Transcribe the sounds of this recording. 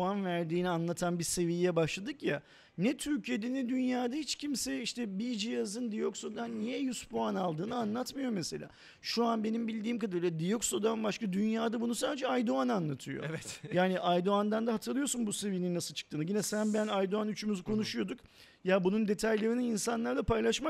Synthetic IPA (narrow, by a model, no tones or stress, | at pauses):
anvæɾd̪iːnianlˠat̪ʰanbiɾse̞vijjɛbaʃlˠad̪ɯkja | nɛt̪ʰyɾcije̞d̪ɛnɛd̪ynjaːd̪ahit͡ʃcʰimsɛiʃt̪ʰɛbid͡ʒijazɯnd̪ijo̞kso̞d̪anːijɛjyspoanalˠd̪ɯːnɯanlˠat̪mɯjo̞mese̞lʲa̰ː | ʃuanbe̞nimbilʲd̪iːmkad̪ɯɾlʲˠad̪ijo̞ksod̪anbaʃkad̪ynjaːd̪abunusaːd̪ed͡ʒɛajd̪oananlˠat̪ʰɯjo̰vɛt̪jaːniʔajd̪oand̪and̪aɦat̪ʰɯɾlˠɯjo̞sunbuse̞vijininnasɯlˠt͡ʃʰɯ̥k̚t̪ʰɯːnɯɟinɛsænbænajd̪oanyt͡ʃʰymyzkʰo̞nuʃujo̞d̪uk | jabunund̪e̞t̪ʰajlʲeɾinininsanlˠaɾlapajlˠaʃmak